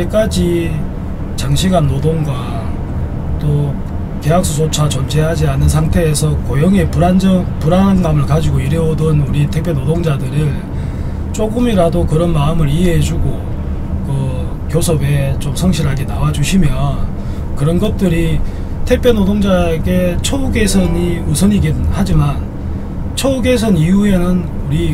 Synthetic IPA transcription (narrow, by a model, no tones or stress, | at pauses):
ek͈ad͡ʑi | t͡ɕaŋɕʰiɡanːodoŋɡwa | t͈o | ke̞ɦak̚s͈ʰusʰot͡ɕʰat͡ɕʌnd͡ʑe̞ɦad͡ʑianɯnsʰaŋtʰe̞ːsʰʌkojʌŋe̞puɾanpuɾanɡamɯɭkad͡ʑiɡoiɾjʌodʌnuɾitʰek̚pʰjonodoŋd͡ʑadɯɾɯɭ | t͡ɕ͈oɡɯmiɾadokɯɾʌnmaɯmɯɾieɦed͡ʑuɡo | kɯ | kjosʰʌbe̞t͡ɕomsʰʌŋɕʰiɾɦaɡe̞nawad͡ʑuɕʰimjʌ | kɯɾʌnɡʌt̚t͈ɯɾi | tʰe̞k̚pʰjonodoŋd͡ʑaeɡet͡ɕʰʌuɡe̞sʰʌɲiusʰʌɲiɡinɯnhad͡ʑiman | t͡ɕʰʌuɡe̞sʰʌnijue̞nɯn | uɾi